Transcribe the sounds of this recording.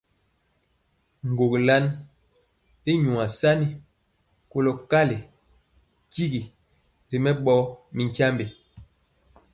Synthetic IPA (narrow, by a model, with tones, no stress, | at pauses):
ŋ̩˨ɡo˨kla˦n | i˦ɲu˨a˨sa˦ni˨ | ko˦lo˨ka˦li˨ | ki˦ɡi˨ | ɾi˨mɛ˦ɓɔ˦mi˨ŋkja˦mbe˨